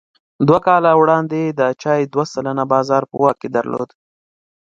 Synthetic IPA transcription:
d̪wakɑlawɽɑnd̪ed̪ət͡ʃɑjd̪wasalənabɑzɑɾpə̰wɑked̪a̰ɾlo̰d̪

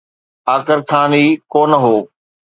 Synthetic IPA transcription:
aːkəɾkʰaːniːkoːnəɦoː

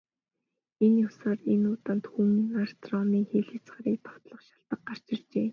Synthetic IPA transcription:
enjʊsaːrenʊt̪aːnt̪xumnar̥st̪rɔmiːŋxeːɮĕt͡sɢaːɾiːk̚t̪ʰɔ̥t̪ɮɞ̆χʃaɬt̪ə̆k̚ɢar̥t͡ɕɪ̆rt͡ɕeː

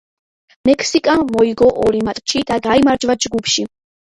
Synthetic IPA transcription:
mɛkʰsikʼamɔiɡɔʔɔɾimat̪ʼt͡ʃʰid̪̥aɡaimaɾd͡ʒvad͡ʒɡupʃi

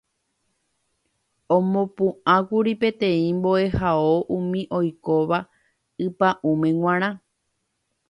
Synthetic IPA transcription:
õmõpũãkuɾipe̞t̪ẽ̞ĩmbo̞e̞hao̞ʔũmĩʔo̞jko̞ʋa | ɨpaʔũmẽ̞ŋw̃ãɾ̃ã

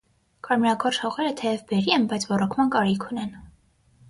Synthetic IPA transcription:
kɑɾmɛɾɑkʰɔrʃhɔʁɛɾət̪ʰɛjɛvbɛɾiɛnbɑjt͡sʰvɔrɔkʰmɑnkɑɾikʰunɛn

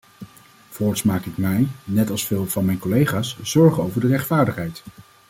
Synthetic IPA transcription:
vɔːɹtsmaːkɪk̚mɛjnɛtɑlˠsfɪːlˠvɑnmɛjnkɔlejχaːsz̥ɔɹχənowvəɹdərɛχtfaːɹdəχɦɛjt

